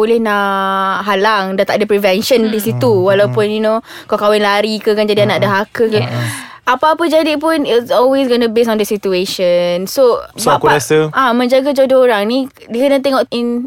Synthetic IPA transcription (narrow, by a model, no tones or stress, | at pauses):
bolɪhnaʔɦalaŋdat̪aʔdəpɾivɛnʃəndisit̪uwalawpʊnjuno | kawkawɛnlaɾikəkand͡ʒadianaʔdəɦakəkɛ | apapəd͡ʒadip̬ʊnisɔlwes̬ɡonəbes̬ɔndəsit̪ueʃənsoakɛsəamə̃ɲd͡ʒaɡad͡ʒɔdoɾaŋnĩ | dikənat̪eŋɔkin